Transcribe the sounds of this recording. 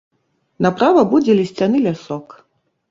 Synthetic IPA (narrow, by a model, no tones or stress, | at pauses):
napɾavɐbud͡zʲɛlʲisʲt͡sʲanɨlʲasɔk